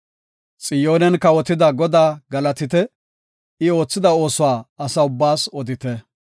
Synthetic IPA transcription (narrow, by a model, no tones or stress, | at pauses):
t͡sʼɪjo̞ːnɛnkɐwɔt̪ɪd̪ɐɡɔd̪aːɡɐlɐt̪ɪt̪ɛ | ɪo̞ːt͡sːɪd̪ɐo̞ːsʊwaːɐsɐʊbːaːsɔd̪ɪt̪ɛ